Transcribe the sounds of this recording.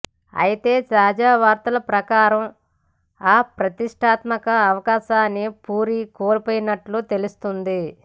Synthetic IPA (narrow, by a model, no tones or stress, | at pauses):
ɐ̰jit̪e̞ːt͡ʃaːd͡ʒaːʋaːɾt̪ɐlɐpɾɐkaːɾɐm | aːpɾɐt̪iʂʈʰaːt̪mɐkɐːʋɐkaːʃaːnːipuːɾikoːlpoːjinɐʈlut̪e̞lust̪und̪i